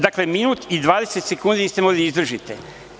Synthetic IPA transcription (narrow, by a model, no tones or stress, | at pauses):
d̪akleminuːt̪id̪ʋaːd̪e̞se̞t̪sekuːnd̪iist̪emoɡliizd̪r̩ʒit̪e